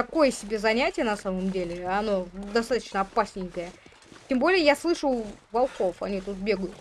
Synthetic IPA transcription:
kɐko̞jəsʲɪbʲe̞zɐnʲætʲɪjənɐsaməmdʲelʲɪɐno̞d̪ɐst̪at̪ə̥t͡ɕnəɐpasʲnʲɪjkəjə | tʲembo̞lʲɪjəjaslˠɨʂəvɐlˠxo̞fɐnʲit̪ut̪̚bʲe̞ɡəjʊt̪

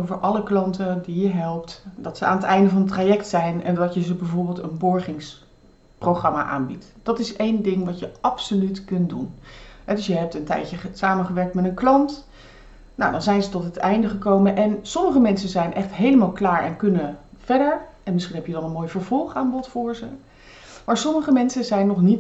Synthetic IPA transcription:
owvəɹʔɑləklɑntədijəɦɛlˠp̚tdɑtsəa̰ːnətɛjndəvɑnətraːjɛktsɛjnɛndɑtjəzəbɛvʊːɹbɪːlˠtənbʊɹχɪŋs | prowχrɑma̰ʔa̰ːnbitd̥ɑtɪsejndɪŋʋɑtjəɑpsolytkɵntdunɦɛdɵsjəɦɛp̚təntɛ̰jəsaːmənχəʋɛɹk̚tmɛtənklɑnt | nowdɑnzɛjnzətɔtɦətʰɛjndəχəkowmənʔɛnsɔməχəmɛnsəzɛjnʔɛχtɦejləmaːlˠklaːɹɛ̰nkɵnəv̥ɛɹdəɹʔɛnmɪsχinɦɛpjədɑnənmoːjvəɹvɔlˠχaːmbɔtfʊːɹzə | maːɹsɔməχəmɛnsəzɛjnːɔχnit

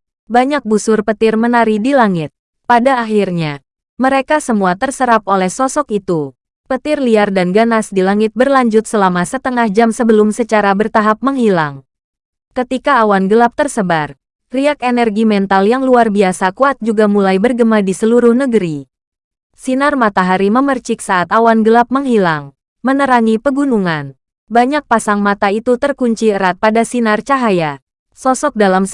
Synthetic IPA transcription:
baɲak̚busʊrpət̪ɪrmənaɾidilaŋɪt̪̚ | padaːɦirɲa | məɾekasəmuat̪ərsəɾap̚olɛhsɔsɔkit̪u | pət̪ɪrliardanɡanasdilaŋɪt̪̚bərlaɲd͡ʒʊt̪̚səlamasət̪əŋahd͡ʒamsəbəlʊmsət͡ʃaɾabərt̪aɦap̚məŋhilaŋ | kət̪ikaːwanɡəlap̚t̪ərsəbar | riakenɛrɡimɛnt̪aljaŋluarbiasakuat̪̚d͡ʒuɡamulajbərɡəmadisəluɾʊhnəɡəɾi | sinarmat̪aɦaɾiməmərt͡ʃɪk̚saʔːt̪awanɡəlap̚məŋɦilaŋ | mənəɾaŋipəɡunuŋan | baɲak̚pasaŋmat̪ait̪ut̪ərkuɲt͡ʃiəɾat̪̚padasinart͡ʃaɦaja | sɔsɔk̚dalam

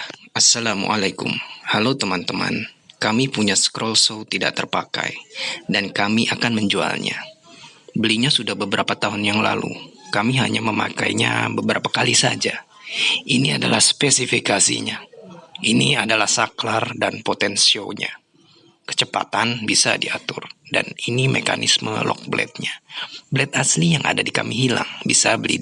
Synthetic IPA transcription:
asːalamṵʔalakʊ̰mhalot̪əmant̪əma̰nkamipuɲaskɾolsowt̪ida̰ʔ̚t̪ərpaka̰jdankamiʔakanməɲd͡ʒua̰lɲa̰ | bəliɲasudahbəbəɾʔapat̪aɦʊnjaŋla̰lṵkamiɦa̰ɲaməma̰kajɲa̰bəbəɾapakalisad͡ʒa | iniadalahspesifikasḭɲa | iniadalahsaklardanpot̪ɛnsioɲa | kə̥t͡ʃəpa̰t̪anbisadiat̪ʊrda̰ninimeka̰nisməlɔk̚blɛ̰t̪̚ɲabəlɛt̪̚aslijaŋʔa̰dadikamiɦila̰ŋbisabəlḭ

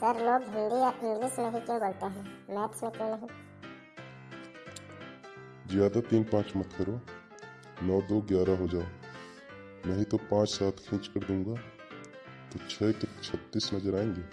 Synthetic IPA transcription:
pəɾloːɡɦə̃ŋɡejaʔɪ̃ŋɡlisnəɦɪkẽbɐɽt̪eɦɛ̃ːmɛːpsə̃t̪enəɦɛ̃ | zjaːd̪at̪iːnpãːt͡ʃmɐt̪ʰkəɾɦoː | nɔːd̪oːɡjaːɾaɦod͡ʒaːo | mɛ̃ːɦĩt̪opãːt͡ʃsaːt̪ʰkʰɪ̃ːt͡ʃkəɾd̪ũːŋɡaː | t̪ot͡ʃʰɛːkt͡ʃʰɐt̪ːiːsnɐzəɾaːẽːŋɡeː

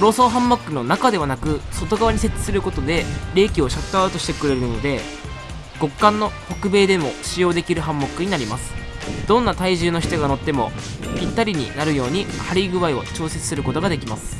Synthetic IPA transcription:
ɾo̞ːso̞ːɦãmːokːɯ̟no̞nakad̪e̞βanakɯ̟so̞t̪o̞ɡaβaɲ̟iset͡sɨ̥sɨɾɯ̟ko̞t̪o̞d̪e̞ɾe̞ːkʲio̞ɕat̪ːoaɯ̟t̪o̞ɕi̥t̪e̞kɯ̟ɾe̞ɾɯ̟no̞d̪e̞ | ɡ̥o̞kːãnːo̞kokɯ̟be̞ːd̪e̞mo̞ɕijo̞ːd̪e̞kʲiɾɯ̟ɦãmːokːɯ̟ɲ̟inaɾʲimasɨ̥d̪̥õ̞nːat̪aiʑɨːno̞çʲi̥t̪oɡano̞t̪ːe̞mo̞̰pʲit̪ːaɾʲiɲ̟ḭnaɾɯ̟jo̞ːɲ̟ihaɾʲiɡɯ̟βaio̞̰t͡ɕo̞ːse̞t͡sɨ̥sɨɾɯ̟ko̞t̪o̞ɡad̪e̞kʲimasɨ̥

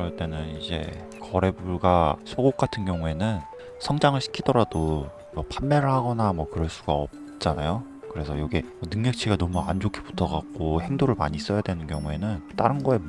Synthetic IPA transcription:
kɯɾʌɭt͈e̞nɯnid͡ʑe̞̰ | kʌɾe̞buɭɡasʰoɡok̚k͈atʰɯnɡjʌŋue̞nɯn | sʰʌŋd͡ʑaŋɯɭɕʰi̥kʰidʌɾado | mʌpanmeɾɯɭhaɡʌnamwʌkɯɾʌɭs͈uɡaʌp̚ | t͡ɕ͈anajo | kɯɾe̞sʰʌjoɡe | ʌnɯŋɲʌk̚t͡ɕʰiɡanʌmuand͡ʑokʰi̥pu̥tʰʌɡak̚k͈ohe̞ŋdoɾɯɭma̰ɲis͈ʌjadwenɯnkjʌŋue̞nɯnt͈aɾɯnɡʌe̞

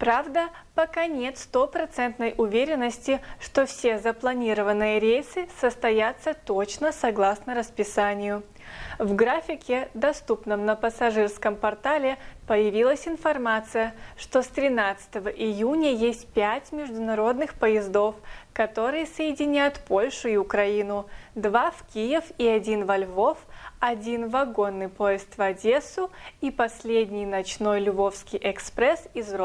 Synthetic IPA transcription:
pɾavd̪ə | pɐkanʲe̞t̪st̪o̞pɾɐt̪sɛnt̪nəjʔʊvʲeɾʲɪnːəsʲtʲɪʂt̪o̞fsʲezəplˠɐnʲiɾəvənːɨjəɾʲejsɨsəst̪ɐjat̪sːət̪o̞t͡ɕnəsɐɡlˠasnəɾəspʲɪsanʲɪjʊ | vɡɾafʲɪkʲɪd̪ɐst̪upnəmnəpəsɐʐɨrskəmpɐrt̪alʲɪpəjɪvʲilˠəsʲɪnfɐrmat̪sɨjəʂt̪o̞st̪ɾʲɪnat̪sɨ̥t̪əvəʔɪjunʲəjesʲtʲpʲætʲmʲɪʐd̪ʊnɐɾo̞d̪nɨxpəjɪzd̪o̞fkɐt̪o̞ɾɨjəsəjɪdʲɪnʲajʊt̪po̞lʲʂʊiʊkɾɐinʊd̪vafkʲijɪfiɐdʲinvɐlʲvo̞fɐdʲinvɐɡo̞nːɨjpo̞jɪst̪vɐdʲe̞sʊipɐsʲlʲedʲnʲɪjnɐt͡ɕno̞jlʲʊvo̞fskʲɪjʔɛkspɾɛsizɾo

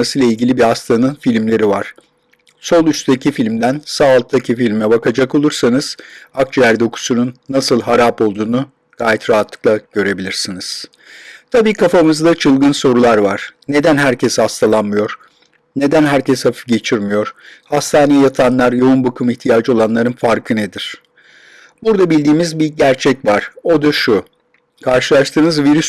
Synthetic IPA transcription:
asɯjlˠailʲɟʲilʲibihast̪ʰanɯnfilʲmlʲe̞ɾivaɾ̥ | so̞lˠyst̪ecʰifilʲmd̪ænsaːlˠt̪ʰːacʰifilʲmɛbakad͡ʒako̞lˠuɾsanɯz̥ak̚t͡ʃʰjæɾd̪o̞kʰu̥sununːasɯlˠɦaɾaːpo̞lˠd̪uːnu | ɡ̥aːjɛt̪ɾaɦat̪ʰlˠɯ̥klˠaɟ̥ø̞ɾe̞bilʲiɾsiniz̥ | t̪ʰabiːkʰafamɯzd̪at͡ʃʰɯlˠɡɯnso̞ɾulˠaɾvaɾ̥ne̞d̪ænɦæɾcʰɛshast̪ʰalˠanmɯjo̞ɾ̥ | ne̞d̪ænɦæɾcʰɛshafi̥fɟe̞t͡ʃʰiɾmijo̞ɾ̥hast̪ʰaːnijɛjat̪ʰanlˠaɾjo̞unbakʰɯmiçt̪ʰijaːd͡ʒɯo̞lˠanlˠaɾɯnfaɾkʰɯned̪iɾ̥ | buɾd̪abilʲd̪iːmizbiɟæɾt͡ʃʰɛcvaɾ̥o̞d̪aʃu | kʰaɾʃɯlˠaʃt̪ʰɯːnɯzviɾys

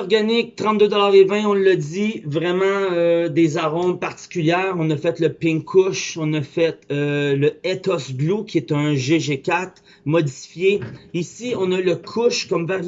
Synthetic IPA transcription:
ʁɡanɪk̚t̪ʁɑ̃t̪̚d̪ød̪ɔlaːʁevɛ̃ɔ̃lːəd̪ivʁɛmɑ̃ød̪ezaʁɔ̃paʁt̪i̥kʲyljɛːʁɔ̃nəfɛt̪ləpɪ̃ŋkʰʊʃɔ̃nəfɛt̪øləɛt̪ɔsblukʲʰiɛt̪ə̃ʒeʒekʲat̪ | mɔdd͡zifjeisiɔ̃naləkʰʊʃkɔmvɛʁ

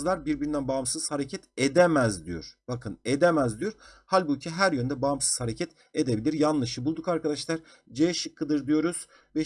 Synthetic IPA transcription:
lˠaɾbiɾbiɾind̪ænbaːmsɯz̥haɾecʰɛt̪ʰed̪emæzd̪ijo̰ɾ̥b̥akʰɯned̪emæzd̪ijoɾhalʲbucʰiɦæɾjønd̪ɛbaːmsɯz̥haɾecʰɛt̪ | ed̪e̞bilʲiɾjanlˠɯʃɯbulˠd̪ukaɾkad̪aʃlˠaɾ | d͡ʒeʃɯkʰːɯd̪ɯɾd̪ijo̞ɾuz̥ | vɛ

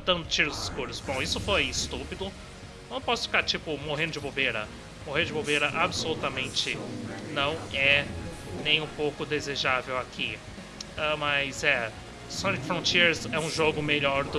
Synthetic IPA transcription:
d̪ɐ̃nd̪ʊt͡ʃiɾʊzɪskuɾʊsbõw̃isʊfojɪst̪upid̪ʊ | nɐ̃w̃pɔsʊ̥fi̥kaɾt͡ʃipʊmoɦẽnd̪ʊd͡ʒɪbowveɾɐ̰ | moɦẽnd̪ʊd͡ʒɪbowveɾɐʔabɪsolut̪ɐmẽnt͡ʃɪnɐ̃w̃ɛ | nẽj̃ũpowkʊd̪ezeʒavewakʰi | ɐmɐzɛ | sɐ̃nikfɾõt͡ʃiɾzɛũʒoɡʊmeʎɔɾd̪ʊ

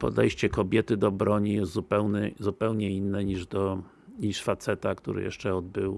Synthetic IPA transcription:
pɔ̰d̪ɛ̰jɕt͡ɕɛkɔbʲjɛt̪ɘd̪ɔbɾɔɲijɛst̪zupɛwnɛzupɛwɲɛinːɛɲiʐd̪ɔ | ɲiʂfat̪sɛt̪akt̪ṵɾɘ̰jɛ̰ʂt͡ʂɛɔd̪bɘw

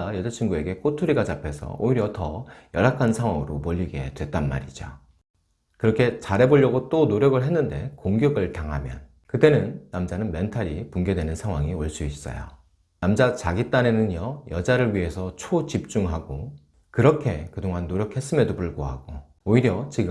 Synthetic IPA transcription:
ajʌd͡ʑat͡ɕʰiŋɡue̞ɡe̞kʰotʰuɾiɡat͡ɕapʰe̞sʰʌ̰oiɾjʌtʌjʌɾakʰansʰaŋwaŋɯɾomoʎːiɡe̞dwe̞t̚t͈anma̰ɾid͡ʑo | kɯɾʌkʰe̞t͡ɕaɾe̞boʎːʌɡot͈onoɾjʌɡɯɭɦe̞nːɯnde̞̰koŋɡjʌɡɯɭtaŋɦa̰mjʌ̰n | kɯt͈e̞nɯnːamd͡ʑanɯnme̞ntʰaɾipuŋɡedwe̞nɯnsʰaŋwaŋioɭs͈uis͈ʌ̰jo̰ | namd͡ʑat͡ɕaɡit͈ane̞nɯnjʌjʌd͡ʑaɾɯɭɥiɦe̞sʰʌt͡ɕʰot͡ɕip̚t͡ɕ͈uŋɦaɡo | kɯɾʌkʰe̞kɯdoŋɦanːoɾjʌkʰhe̞s͈ɯmjedopuɭɡoɦaɡ̥o | oiɾjʌt͡ɕiɡɯ

